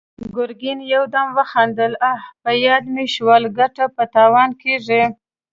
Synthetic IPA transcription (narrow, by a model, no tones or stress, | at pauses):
ɡʊɾɡinjawd̪amwəxɑnd̪əlapəjɑd̪meʃwɑlɡaʈapət̪ɑwɑnkeʐi